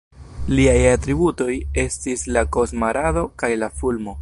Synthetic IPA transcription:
liajatɾibuto̞je̞stislako̞smaɾado̞kajlafulmo̞

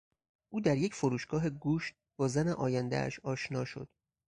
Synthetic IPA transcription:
ʔuːd̪æɾje̞cʰfoɾuːʃɡ̥ɒːɦe̞ɡuːʃt̪̚bɒːzæneʔɒːjænd̪æ̰æ̰ʃɒːʃnɒːʃo̞̰d̪̥

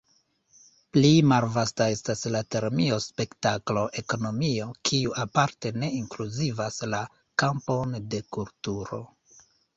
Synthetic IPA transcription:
plimalvastae̞staslate̞ɾmio̞spe̞ktaklo̞ʔe̞ko̞no̞mio̞kʰiuʔapaɾte̞ne̞iŋkluzivasla | kampo̞nde̞kultuɾo̞̰

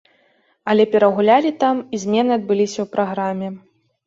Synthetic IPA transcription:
ɐlʲɛpʲɛɾɐɣulʲalʲit̪amizʲmʲɛnɨɐd̪̚bɨlʲisʲɐwpɾaɣɾamʲːɛ

